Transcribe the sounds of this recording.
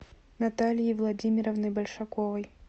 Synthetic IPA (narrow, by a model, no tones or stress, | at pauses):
nat̪alʲjivlˠɐd͡zʲimʲiɾɐvnɨjbɐlʲʂɐkɔvɐj